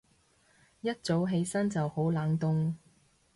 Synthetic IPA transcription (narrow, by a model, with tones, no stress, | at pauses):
jɐ˥t̚t͡so˨˥wɦe˨˧jsɐ˥nt͡sɐ˨who˨˥wlaː˨˥ŋt̪ʊ˧ŋ